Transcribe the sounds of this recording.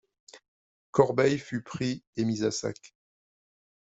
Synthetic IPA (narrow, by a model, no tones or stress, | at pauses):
kɔʁbɛjfypχiemizasa̰k